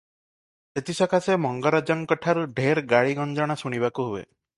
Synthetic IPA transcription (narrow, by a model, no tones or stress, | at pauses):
et̪isɔkʰasemɔŋɡɔɾɔd͡ʒɔŋkɔʈʰaɾuɖʱeɾɡaɽiɡɔnd͡ʒɔɽ̃asuɽ̃iβakuɦuḛ